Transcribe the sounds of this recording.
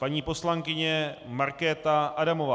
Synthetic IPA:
paɲiːpo̞slaŋkɪɲɛmaɾkɛːt̪aʔadamovaː

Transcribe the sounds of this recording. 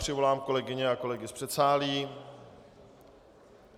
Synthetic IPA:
r̥ɪvo̞laːmko̞lɛɡɪɲɛako̞lɛɡɪspr̥ɛt̪saːliː

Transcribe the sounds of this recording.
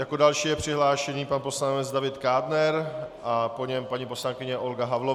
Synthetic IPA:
jakodalʃiːjɛpr̝̥ɪɦlaːʃɛɲiːpanpo̞slanmɛd͡zdavɪt̪kaːdnɛɾʔapo̞ɲɛmpaɲipo̞slankɪɲɛʔo̞lɡaɦavlo

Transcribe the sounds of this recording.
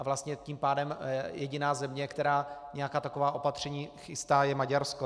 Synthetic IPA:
ʔavlast̪ɲɛciːmpaːdɛmjɛɟɪnaːzɛmɲɛkt̪ɛɾaːɲɛjakaːt̪akovaːʔo̞pat̪r̝̥ɛɲiːxɪst̪aːjɛmaɟaɾsko

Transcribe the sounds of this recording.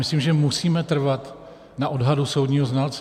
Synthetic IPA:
mɪsliːmʒɛmusiːmɛt̪r̩vat̪ | naʔo̞dɦaduso̞wdɲiːɦoznalt͡s

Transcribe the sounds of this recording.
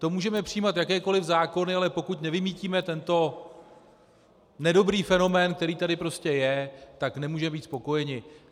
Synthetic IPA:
t̪o̞muːʒɛmɛpr̝̥ɪjiːmat̪jakɛːko̞lɪvzaːko̞nɪalɛpo̞kuc̪nɛvɪmiːciːmɛt̪ɛnt̪o̞ | nɛdo̞bɾiːfɛno̞mɛːnk̚t̪ɛɾiːt̪adɪpɾo̞scɛjɛt̪aknɛmuːʒɛmɛbiːt̪spo̞ko̞jɛɲɪ

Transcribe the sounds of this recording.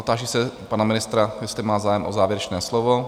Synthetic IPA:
ʔot̪aːʒisɛpanamɪnɪst̪ɾajɛst̪lɪmaːzaːjɛmʔozaːvjɛɾɛt͡ʃnɛːslovo

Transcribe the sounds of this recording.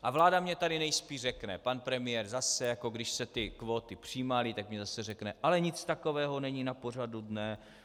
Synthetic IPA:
ʔavlaːdamɲɛt̪adɪnɛjspiːrrɛknɛpanpɾɛmɪjɛɾzasɛjako̞ɡdɪʃsɛt̪ɪkvo̞ːt̪ɪpr̝̥iːmalɪt̪akmɲɛzasɛrɛknɛʔalɛɲɪt͡st̪ako̞vɛːɦo̞nɛɲiːnapo̞r̝adudnɛ

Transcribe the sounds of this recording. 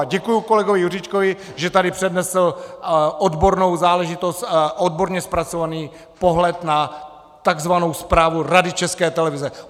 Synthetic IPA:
ɟɛkujuko̞lɛɡovɪjur̝ɪt͡ʃkovɪʒɛt̪adɪpr̝̥ɛdnɛsl̩ʔod̪bo̞ɾno̞wzaːlɛʒɪt̪o̞st̪ʔod̚bo̞ɾɲɛspɾat͡so̞vaniː | po̞ɦlɛt̪na | t̪aɡzvano̞wspɾaːvuɾadɪt͡ʃɛskɛːt̪ɛlɛvɪzɛ

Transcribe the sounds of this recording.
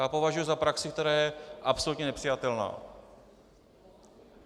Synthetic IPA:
aːpo̞vaʒujuzapɾaksɪk̚t̪ɛɾaːjɛʔapsolut̪ɲɛnɛpr̥ijat̪ɛlna̰ː

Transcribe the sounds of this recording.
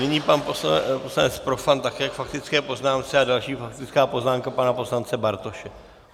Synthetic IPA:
nɪɲiːpanposposlanɛt͡spɾo̞fant̪akɛːjakfakt̪ɪt͡skɛːpo̞znaːmt͡sɛadalʃiːfakt̪ɪt͡skaːpo̞znaːmkapanapo̞slant͡sɛbaɾt̪o̞ʃɛ

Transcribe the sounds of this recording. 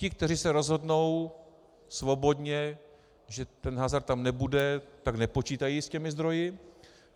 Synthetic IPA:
cɪk̚t̪ɛrisɛɾo̞zɦo̞dno̞w | svo̞bo̞dɲɛ | ʒɛt̪ɛnɦaːzaɾt̪amnɛbudɛt̪aknɛpo̞t͡ʃiːt̪ajiscɛmɪzd̪ɾo̞jɪ

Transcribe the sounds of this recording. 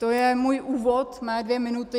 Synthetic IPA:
d̪̥oæmujʔuːʋoːt̪mɛd̪ʋeːmɪnʉt̪ə

